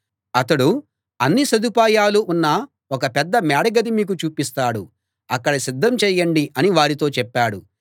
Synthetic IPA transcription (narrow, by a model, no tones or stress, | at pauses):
ɐt̪ɐɽu | ɐnːisɐd̪upaːjaːluʔːnːɐ | ɔkɐpɛd̪ːɐmaːɽɐɡɐd̪imiːk̬ut͡ʃuːpist̪aːɽu | ɐkːɐɽɐsid̪ʱːɐmt͡ʃɛːjɐɳɖiʔɐniʋaːɾit̪o̞ːt͡ʃɛpːaːɽu